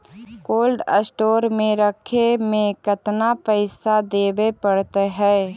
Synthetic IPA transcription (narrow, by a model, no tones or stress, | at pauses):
koːlɖə̰sʈoːɾmẽɾəkʰemẽkət̪napəɪsad̪eːbepəɽt̪ɦɛː